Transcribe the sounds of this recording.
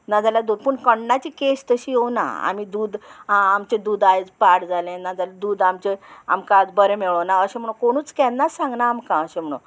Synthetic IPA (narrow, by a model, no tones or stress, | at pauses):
nad͡zalad̪uːd̪pəɳkəɳnat͡ɕiːkest̪əɕiːɦowna̰a̰mid̪uːd̪amt͡ɕẽd̪uːd̪ajd͡zpaɽd͡zalẽnad͡zalad̪uːd̪amt͡ɕea̰mkad͡zbəɾẽmeɭəwnaəɕẽm̤əɽ̃ũkoɽ̃uːt͡skɛnːasãŋɡnaːmkãəɕẽm̤əɽ̃ṵ̃